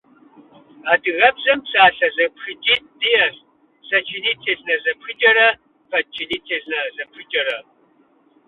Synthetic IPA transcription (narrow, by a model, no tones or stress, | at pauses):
aːdɨɣɐbzɐmpsaːɬɐzɐpxɨd͡ʒʼiːt̚dijɐz | sɐt͡ʃʰiniːtʰeːznɐzɐpxɨd͡ʒʼɐɾɐ | fʰɐt͡ʃʰiniːtʰeːznɐzɐpxɨd͡ʒʼɐɾɐ